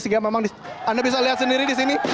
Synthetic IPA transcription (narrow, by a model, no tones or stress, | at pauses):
siɡamemaŋdi | andabis̬aliɦat̪səndiɾidisini